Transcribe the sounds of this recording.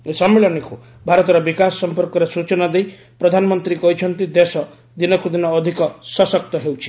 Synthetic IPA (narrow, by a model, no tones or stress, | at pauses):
esɔmːeɭɔneku | bʱaɾɔt̪ɔɾɔbikassɔmpɔɾkɔɾesut͡ʃɔnɔd̪ej | pɾɔd̪ʱanɔmɔnt̪ɾikɔɦit͡ʃʰɔnt̪id̪esɔ | d̪inɔkud̪inɔːd̪ʱikɔsɔsɔk̚t̪ɔɦewt͡ʃʰi̥